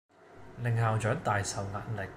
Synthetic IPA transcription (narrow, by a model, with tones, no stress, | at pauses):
lɪ˨˩ŋhaː˨wt͡ʃœː˨˥ŋt̪aː˨jsɐ˨wŋa̰ː˨t̚lɪ˨˩k̚